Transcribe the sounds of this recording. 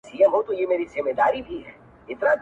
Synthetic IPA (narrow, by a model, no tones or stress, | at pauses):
siːəmɦot̪ojemeːɾizɪmːed̪aːɾibʱiɦɛ̰ː | ɪt̪nad̪